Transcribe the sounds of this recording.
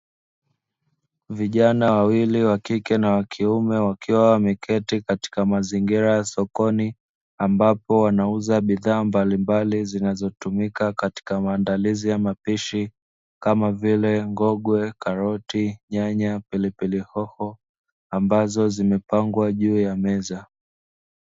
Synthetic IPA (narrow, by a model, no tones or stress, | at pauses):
viʄanawawiliwakikɛnawakʰiumɛwakʰiwawamɛkʰɛtikati̥kamaziŋɡiɾajasɔkɔni | ambapɔwanauzaɓiðaːmbalimbalizinazɔtumikakati̥kamaːndalizijamapiʃi | kamavilɛŋɡɔɠwɛkaɾɔtiɲaɲapilipilihɔhɔ | ambazɔzimɛpaŋɡwaʄuːjamɛza